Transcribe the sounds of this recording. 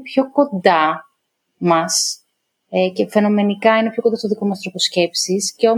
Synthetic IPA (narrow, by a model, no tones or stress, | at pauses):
pço̞ko̞nd̪ɐ | mɐs | ce̞fe̞no̞me̞nikɐine̞pço̞kond̪ɐst̪oðiko̞mɐst̪ɾoposce̞psisceo̞